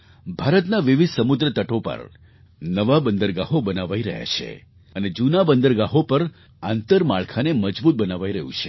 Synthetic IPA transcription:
bʱaɾət̪naʋiʋid̪ʱsəmʊd̪ɾət̪əʈopə̰ɾ | nəʋabənd̪əɾɡaɦobənaʋaiɾəɦja̰t͡ʃʰḛ | əned͡ʒunabənd̪əɾɡaɦopəɾ | ãnt̪əɾmaɭkʰaneməd͡ʒbut̪̚bənaʋaiɾəɦṵ̃t͡ʃʰe

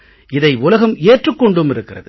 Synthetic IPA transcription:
ʔɪðɐɪʊlɐɣɐmeːʈrɯkːɔɳɖɯmɪɾɯkːɪrɐ̰ðɯ

